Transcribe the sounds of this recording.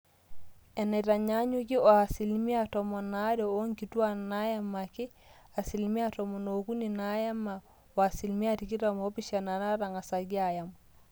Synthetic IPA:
ɛ˨ne˨ta˨ɲa˦ɲu˦ki˦o˨a˨si˨lmi˦a˦tɔ˨mɔ˨na˦ɾɛ˨o˦ŋki˨tu˦a˦na˦ja˦ma˨ki˦ | a˨si˨lmi˦a˦tɔ˨mo˨noku˦ni˨na˦ja˦ma˨ | wa˨si˨lmi˦a˦ti˨ki˦tamo˦pi˦ʃa˨na˨na˦ɾa˨ŋa˨sa˨ɡi˦aja˨m

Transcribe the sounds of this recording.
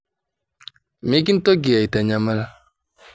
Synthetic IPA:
mi˦ɡi˦n̩˦to˦ɡi˨a˨i˨ta˨ɲa˨ma˦la˦

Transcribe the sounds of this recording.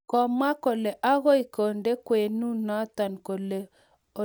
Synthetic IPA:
kɔ˨ma˦ko˨le˨ʔa˦ɣo˦i˨ko˨nde˦kwe˨nu˦nɔ˦t̪a˨nko˨le˨ | o˨

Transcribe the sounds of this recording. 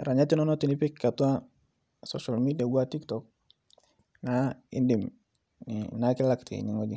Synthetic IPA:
ɾa˨ɲa˦ti˦nɔ˦nɔ˦ti˨ni˦pi˦kkːa˨tu˦a˦ | sɔʃa˨lmi˦di˨a˨ɡu˦a˦ti˦ktɔk̚ | naḭ˦ndi˨m | ninaki˦la˦ktḭ˨ɲiŋoɟi

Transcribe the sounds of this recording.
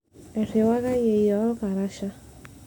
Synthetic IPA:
ɛ˨ɾe˨wa˦ɣa˦je˨i˨jɔ˨˦ka˨ɾa˦ʃa˦

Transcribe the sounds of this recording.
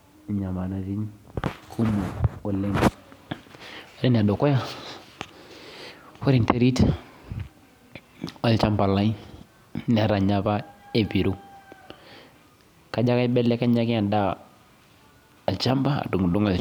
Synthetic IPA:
ɲa˨ma˨na˨d͡ʒi˦nkʰu˦mo˨o˨le˦n | a˨de˦n˨a˨do˨ko˦ja˦ | we˦ɾi˨nte˦ɾi˦t | a˨lt͡ʃa˦mba˨la˦i˦ | n˨a˦ɾa˨ɲa˦ba˦e˦˨bi˨ɾu˦ | ka˨d͡ʒa˦ka˦bɛ˦le˦ka˦ɲa˦ɡi˦a˨da˦˨ | lt͡ʃa˦mba˦a̰˨du˨ŋ˨du˦ŋa˨l

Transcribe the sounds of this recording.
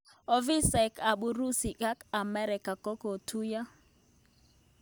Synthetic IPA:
ɔ˦vi˦sa˨ka˨ɓu˨ɾu˦si˨ka˦ka˨mɛ˦ɾɪ˨ka˨kɔ˦ko˨tʰu˦ja˦

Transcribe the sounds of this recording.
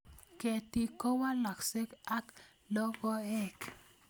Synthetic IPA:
ke˨ti˦kɔ˦wa˦la˨kse˦ka˦k | lɔ˦ɡɔ˦ɛ˦˨k

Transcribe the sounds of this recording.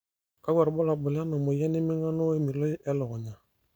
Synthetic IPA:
ka˦ɡɛ˨ɾbɔ˦la˨bɔ˨la˦nɔ˨mɔ˨ja˦ni˦mi˦ŋɡa˦nɔ˦we˦mi˨lɔ˦ʔɛ˦lɔ˨ɣɔ˨ɲa˨

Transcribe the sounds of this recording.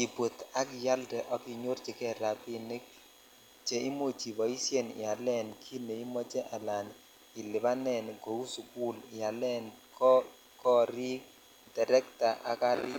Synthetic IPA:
i˨bwo˨t̪a˦kɪ˨ja˦ldɛ˨ʔɔ˦ki˨ɲo˦rt͡ʃɪ˨kɛ˦ɾa˨pɪ˦ne˦k̚ | t͡ʃe˨i˦mo˦t͡ʃi˨bɔ˨i˦sje˦nɪ̰˨a˨lɛ˦˨nkʰi˦ne˨i˦mɔ˦t͡ʃɛ˦ʔa˨la˨n | ɪ˨lɪ˨ba˦nɛ˨nɡo˨u˦su˨ku˦lɪ˨a˨lɛ˦nkɔ˦ | kɔ˦ɾi˦k̚ | dɛ˨ɾɛ˦kta˨ʔa̰˨ka˦lɪ˦

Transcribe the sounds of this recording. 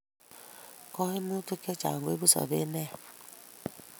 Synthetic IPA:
kɔ˦hi˦mu˦tu˦ke˦t͡ʃa̰˨ɡo˨˦e˦bu˦sɔ̰˨bḛ˦nɛ˦˨

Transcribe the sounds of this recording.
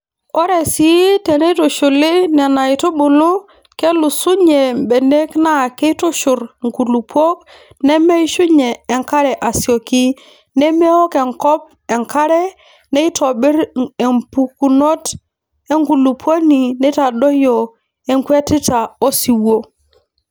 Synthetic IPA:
o˦ɾe˨si˨˦te˨ne˦to˨ʃu˨li˦ne˨na˨i˨to˦ɓu˨lu˦ | ke˦lu˨su˦ɲe˨m˨be˨ne˦kna˦˨ke˦i˦to˦ʃu˨ɾŋku˨lu˨pwo˦k̚ | ne˦me˦i˦ʃu˦ɲeː˨ŋka˦ɾɛ˨ʔa˨si˨o˨ki˦ | ne˦me˦ɔ˦ke˨ŋkɔ˦p̚ | ɛ˨ŋka˦ɾɛ˦ | ne˦i˦to˨ɓi˦ɾe˨mpu˨ku˨no˦t | e˦ŋku˨lu˨pwo˦ni˨ne˦ta˨ɗo˦jo˨ | e˨ŋkwe˦ti˦ta˨o˦si˨wo˦

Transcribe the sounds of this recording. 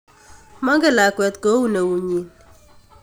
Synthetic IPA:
ma˦ŋɡɛ˦˨la˨kwɛ˨t̪̚ko˦wu˦ne˨wu˨ɲi˨n

